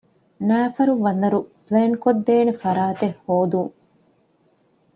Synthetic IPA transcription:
næːfɐɾuʋɐnɐɾupleːnkod̪ːeːnefɐɾaːt̪ehːoːd̪uŋ

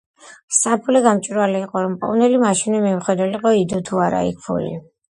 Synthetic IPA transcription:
sapʰulɛɡamt͡ʃʼiɾwalɛːqʼɔɾɔmpʼɔ̰vnɛlimaʃinɛmɛmχwɛd̪ɛliqʼɔid̪ɔt̪ʰuaɾa̰ḭk̚ʰpʰṵlḭ

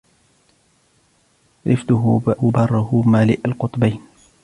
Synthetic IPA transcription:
ɾɪft̪ʊɦʊbhʊbɑrˤːʊhʊmaːlɪʔalqʊt̪ˤbajn

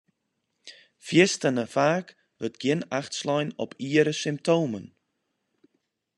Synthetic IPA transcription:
fiəstənəfaːk | vətɡ̥iənaχtslɔjnɔ̰pʰiːəɾəsɪmp̚toːwmə̰n

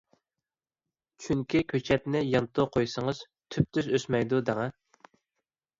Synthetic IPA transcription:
t͡ʃʰyŋkʲʰikʲʰøt͡ʃʰɛt̪nɪjɑnt̪ʰoqʰojsəŋəz̥ | t̪ʰyp̚t̪ʰyzøsmɛjd̪ud̪æŋɛ

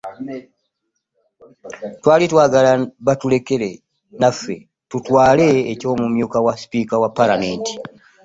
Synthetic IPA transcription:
twaːlitwaːɡalaβatule̞ke̞ɾe | nafːe̞̰ | tutwaːle̞ːco̞ːmumjuːkawaspiːkawapːalameːnti̥

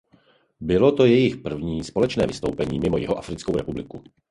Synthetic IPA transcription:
bɪlo̞t̪o̞jɛjɪxpr̩vɲiːspo̞lɛt͡ʃnɛ̰ːvɪst̪o̞̰wpɛɲiːmɪmojɪɦoʔafɾɪt͡skowɾɛpublɪku

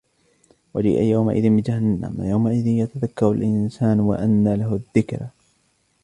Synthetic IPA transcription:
wad͡ʒḭːʔa̰jawma̰ʔɪðɪnbɪd͡ʒaɦanːa̰mjawmaʔɪðɪnjat̪aðakːɑɾˤa̰lʔɪnsaːnwa̰ʔanːalaɦʊðːɪkɾ

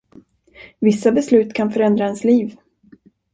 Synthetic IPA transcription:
vɪsːabɛslʉ̟ːt̪kʰanfœɾɛnd̪ɾaɛnsliːv

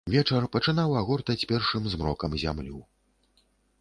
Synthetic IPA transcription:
vʲɛt͡ʂɐrpɐt͡ʂɨnawaɣɔrt̪ɐt͡sʲpʲɛrʂɨmzmɾɔkɐmzʲa̰mlʲu

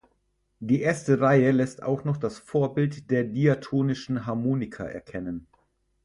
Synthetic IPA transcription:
d̥iːʔeːɐstəʁaɪəlɛsta̰ʊxnɔχd̥asfoːɐbɪltd̥eːɐdiatʰoːnɪʃn̩ɦaɐmoːnɪkʰa̰ʔɛ̰ɐkʰɛnən

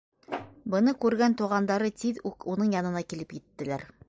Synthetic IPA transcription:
bɤ̆nɤkʉɾɡænt̪uʁɑnd̪ɑɾɤt̪iðʉkunɤɴjɑnɤ̆nɑkilɘpjɘ̆t̪ːɘ̆læɾ

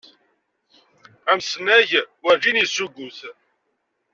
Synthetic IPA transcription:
æmsnæʝwəɾd͡ʒinisuɡʷʊθ

